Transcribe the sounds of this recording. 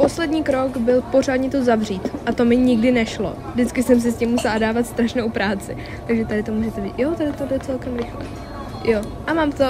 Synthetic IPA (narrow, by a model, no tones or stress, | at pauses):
po̞slɛdɲiːkɾo̞ɡbɪlpo̞r̝aːdɲɪt̪ozavriːt̪ʔat̪o̞mɪɲɪɡdɪnɛʃlo̞̰vdɪt͡skɪsɛms̬ɪscɪmːusɛladaːvat̪st̪ɾaʃnowpɾaːt͡sɪ̰ | t̪aɡʒɛt̪adɪt̪o̞muːʒɛt̪ɛvijot̪adɪt̪odlɛt͡sɛlkɛmɾɪxlɛ̰ | jo | ʔamaːmt̪o